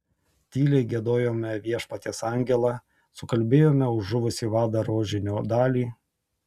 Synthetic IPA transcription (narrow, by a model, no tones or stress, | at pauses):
t̪ʲiːlʲɛɪɡʲiɛd̪oːjoːmʲɛʋʲiɛʃpɐt̪ʲeːsɑˑŋʲɡʲɛlˠɐ | sʊkɐlʲbʲeːjoːmʲɛʊːʊʋʊsʲiːʋɑːd̪ɐɾoːʒʲɪnʲoːd̪ɑːlʲiː